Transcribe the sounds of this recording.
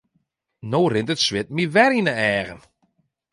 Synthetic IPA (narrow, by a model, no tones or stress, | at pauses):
noːrɪntətswɪt̚miʋɛɾinəɛːɣən